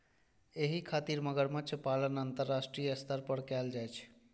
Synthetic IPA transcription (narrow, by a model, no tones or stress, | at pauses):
eɦikʰat̪iɾməɡəɾmə̃t͡ʃʰpalənənt̪əɾːasʈɾijəst̪əɾpəɾkɛld͡ʒajt͡ʃʰ